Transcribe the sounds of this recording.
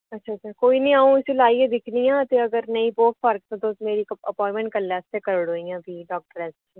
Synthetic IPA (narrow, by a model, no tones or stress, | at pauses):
ɐtːʃʰaːt͡ʃaɾkoːiːnĩːaːũɪselaːied̪ɪkʰnijãːt̪eəɡəɾnəĩːboːtpʰəɾk̚t̪õd̪osmeːɾikəpɔːɪ̃mɛ̃ɳʈ̚kəlːest̪ẽkəɾəɽoːĩãːbʱiːɖɔːk̚ʈəɾɛs | i